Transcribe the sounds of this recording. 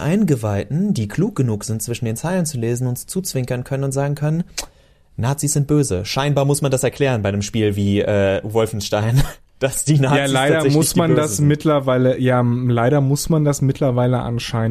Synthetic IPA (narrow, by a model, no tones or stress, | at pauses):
ʔa̰ɪnɡəvaɪtn̩diːkʰl̥uːk̚ɡ̥ənuːkz̥ɪntt͡sv̥ɪʃn̩deːnt͡saɪlənt͡suleːzn̩ʊntt͡suːt͡sv̥ɪŋkɐnkʰœnənʊntz̥aːɡŋ̩kʰœnən | naːt͡sisz̥ɪnt̚b̥øːzəʃaɪnbaːɐmʊsmandasɛɐkʰl̥ɛːʁənbaɪnəmʃpiːlviːʔɛːvɔlfn̩ʃtaɪn | d̥asd̥iːnajaːlaɪdɐmʊsmmandasmɪtʰlɐvaɪləjaːlaɪɾɐmʊsmandasmɪtʰlɐvaɪləʔa̰nʃaɪn